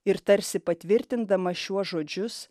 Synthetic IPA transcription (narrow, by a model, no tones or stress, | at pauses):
ɪɾt̪ɐɾʲsʲɪpɐt̪ʲʋʲɪɾʲt̪ʲɪnd̪ɐmɐʃʲuɔsʒoːd͡ʒʲʊs